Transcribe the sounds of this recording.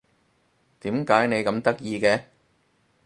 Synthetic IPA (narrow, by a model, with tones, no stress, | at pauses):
t̪iː˨˥mkaː˨˥jne˨˧jkɐ˨˧˥mt̪ɐ˥k̚jiː˧kɛː˧